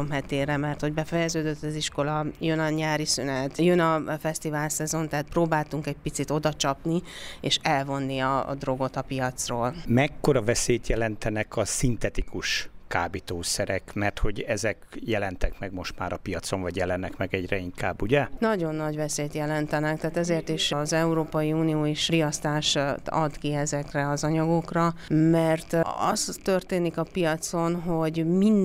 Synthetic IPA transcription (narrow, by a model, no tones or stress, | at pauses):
omɦɛt̪eːrɛmɛrt̪ho̞ɟbɛfɛjɛzøːd̪øt̪ːɒziʃko̞lɒjønɒɲaːɾisynɛt̪jønɒfɛst̪ivaːlsɛzo̞nt̪ɛɦat̪̚proːbaːlt̪uŋkɛɟ̚pit̪sit̪o̞d̪ɒt͡ʃɒpnieːʃɛlvo̞nːiɒ̰d̪ro̞ɡo̞t̪ɒpijɒt̪sroːlmɛkːo̞ɾɒvɛsejt̪jɛlɛnt̪ɛnɛkɒsint̪ɛt̪ikuʃkaːbit̪oːsɛɾɛkmɛrt̪ho̞ɟɛzɛkjɛlɛnt̪ɛkmɛɡmo̞ʃt̪ma̰ːɾɒpijɒt̪so̞ɱvɒɟjɛlɛnːɛkmɛɡɛɟrɛiŋka̰ːbːuɟɛnɒɟo̞nːɒɟvɛseːt̪jɛlɛnt̪ɛnɛk̚t̪aːt̪ɛzeːrt̪iʃzɛuɾoːpɒjiuːnijoːiʃrijɒst̪aːʃt̪ɒ̰d̪kiɛzɛkrɛɒzɒɲɒɡo̞krɒmɛrt̪ɒ̰st̪ːø̞rt̪eːnikɒpijɒt̪so̞nɦo̞ɟmin